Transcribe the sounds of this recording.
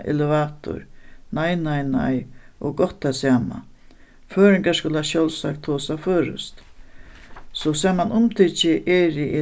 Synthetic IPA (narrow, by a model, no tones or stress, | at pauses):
ɛ̰lɪʋaːt̪ʊ̰ɾnajnajna̰jʔɔɡɔt̪ːasjaːma̰ | føːɾɪŋkaskʊlaʃjɔlsa̰k̚t̪ʰːoːsaføːɾʏ̰st̪ | sɔsaːmanʊmt̪ʰit͡ʃɪʔɛːɾɪʔɪ